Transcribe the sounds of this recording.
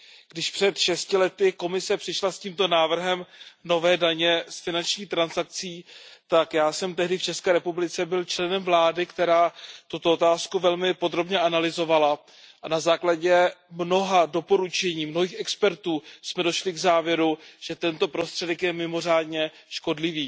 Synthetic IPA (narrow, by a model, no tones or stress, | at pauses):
ɡ̥dɪʃpr̥ɛt̪ʃɛscɪlɛt̪ɪko̞mɪsɛpr̥ɪʃlasciːmt̪o̞naːvr̩ɦɛmno̞vɛːdaɲɛsfɪnant͡ʃɲiːxt̪ɾansak̚t͡siːt̪akjaːsɛmt̪ɛɦdɪft͡ʃɛskɛːɾɛpublɪt͡sɛbɪlt͡ʃlɛnɛmvlaːdɪkt̪ɛɾaːt̪ut̪oot̪aːskuvɛlmɪpo̞d̪ɾo̞bɲɛʔanalɪzo̞vala | ʔanazaːklaɟɛmno̞ɦado̞po̞ɾut͡ʃɛɲiːmnoɦiːxʔɛkspɛɾt̪uːsmɛdo̞ʃlɪɡzaːvjɛɾuʒ̥ɛt̪ɛnt̪o̞pɾo̞st̪r̥ɛdɛkjɛmɪmo̞r̝aːdɲɛ | ʃko̞dlɪviː